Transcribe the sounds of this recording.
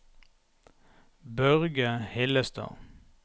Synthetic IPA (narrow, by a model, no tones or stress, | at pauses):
bœʁɡəhɪləst̪ʰɑ̰ː